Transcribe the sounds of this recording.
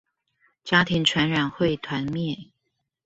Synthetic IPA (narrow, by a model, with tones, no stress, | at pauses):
t͡ɕja˥t̪ʰi˧˥ŋʈ͡ʂʰwa˧˥nɻa˨˩nxwe˥˩ɪt̪ʰwa˧˥nmjɛ˥˩